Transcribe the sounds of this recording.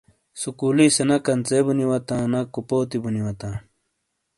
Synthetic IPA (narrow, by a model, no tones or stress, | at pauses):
sukuːlisenɐkɐnt͡sebuniwɐt̪ãːnɐkupoːt̪ibuniwɐt̪ãː